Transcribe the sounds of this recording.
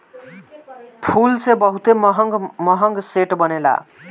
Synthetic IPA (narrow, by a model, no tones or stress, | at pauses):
pʰulsebʌɦut̪emɦʌŋɡmʌɦʌŋɡseʈbʌnela̰